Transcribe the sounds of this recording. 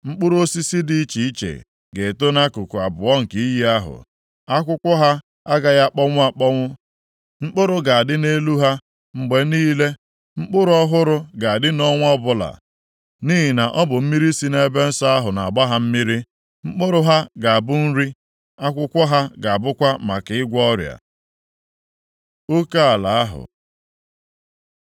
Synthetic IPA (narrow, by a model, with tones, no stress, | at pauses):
ŋ͡m̩˦k͡pʊ˦ɾo˦si˦si˦di˦i˦t͡ʃi˨i˦t͡ʃḛ˨ | ɡe˨to˦na˦kʊ˨kʊ˨a˨bʊ˨ɔ˦ŋ̩˨ke˨i˦ji˦a˦ɦʊ̰˨ | a˦kʷʊ˦kʷɔ˦ɦa˦ | a˦ɡa˨ɣa˦k͡pɔ˦ŋʷʊ˦a˨k͡pɔ˦ŋʷʊ˦ | ŋ͡m̩˦k͡pʊ˦ɾʊ˦ɡa˨a˨dɪ˦ne˦lu˦ɦa˦ | ŋ͡m̩˨ɡ͡be˨niː˦le˦ | ŋ͡m̩˦k͡pʊ˦ɾʊ˦ɔ˦ɦʊ˦ɾʊ˦ɡa˨a˨dɪ˦nɔ˦ŋʷ˦ɔ˦bʊ˦la̰˨ | ni˦ɦi˨na˨ʔɔ˦bʊ˨m̩˦mi˦ɾi˦si˦ne˦be˦n̩˦sa˦a˦ɦʊ˨na̰˨a˨ba˦ɦa˦m̩˦mi˦ɾi˦ | ŋ͡m̩˦k͡pʊ˦ɾʊ˦ɦa˦ɡa˨a˨bʊ˦n̩˦ɾi˦ | a˦kʷʊ˦kʷɔ˦ɦa˦ɡa˨a˨bʊ˦kʷa˦ma̰˨kɪ˨ɪ˦ɡʷɔ˦ɾja̰˨ | o˦ka˦a˨la̰˨a˦ɦʊ̰˨